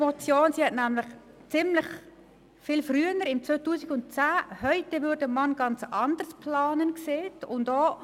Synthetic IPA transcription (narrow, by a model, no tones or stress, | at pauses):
mɔt͡sjoːnsiːhɛtnæmlɪχ | t͡sɪmlɪχ | fɪːlfryːənəɾɪmt͡sʋøːtuːsɪɡʊnt̚t͡sæːhœʏtevʏdəmɑnɡ̥ɑnt͡sɑnd̥əspʰlɑːnənkseːtʰʊndoː